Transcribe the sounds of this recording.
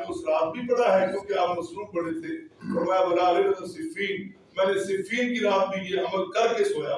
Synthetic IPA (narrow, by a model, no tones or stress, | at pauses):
ʊsɾaːt̪̚bʱibɐɽaɦɛkjõːkeaːpmɐsɾuːmbɐɽet̪ʰeːɔːɾmɛ̃bɐlaːɾeɾɐt̪asɪfʰiːn | mɛ̃ːnesɪfʰiːnkiɾaːt̪̚bʱikieʔɐməlkɐɾkesoːjaː